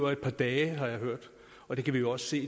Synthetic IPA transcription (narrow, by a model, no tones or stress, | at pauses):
ʊɐe̝d̥̚pʰɑ̈ːd̥ɛːɦɑ̈jɑ̈ɪɦøɐ̰d̥ | ɒ̽d̥e̝kʰæʋijo̝ɒ̽sse̝̰ː